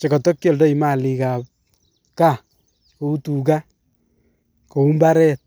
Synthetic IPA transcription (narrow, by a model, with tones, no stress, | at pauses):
t͡ʃe˨kɔ˨tɔ˦kjɔ˨ldɔ˦i˨ma˦˨li˨ka˨p̚ | ka˦˨ | ko˨u˦tu˨ka˦ | ko˨u˦mba˦ɾɛ˦t̚